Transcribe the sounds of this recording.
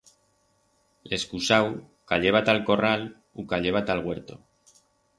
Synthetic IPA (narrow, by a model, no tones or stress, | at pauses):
leskusaw | kaʎeβ̞at̪alko̞ral | ukaʎeβ̞at̪alɣweɾt̪o